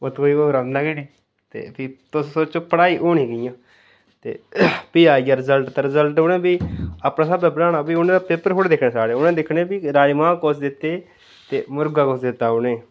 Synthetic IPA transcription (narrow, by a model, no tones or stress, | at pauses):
ot̪koːiːoːɾənnaːkeːɽiː | t̪ḛːpʰɪt̪ʊssoːt͡ʃoːpəɽaːiːʔoːɳĩːɡjãː | t̪ḛːpiːaːiɡaːɾɪzəlʈt̪eɾɪzəlʈonẽːbiːaːpnaːsəbeːbɾaːnaːbiːʊnẽːd̪aːpeːpəɾɦoːɽd̪ɪkʰnẽːsaːɽeːʊnẽːd̪ɪkʰnẽːbiːɾaːimãːkosd̪ɪt̪ːeː | t̪ḛːmʊɾɡaːkoːsd̪ɪt̪ːaːʊnẽː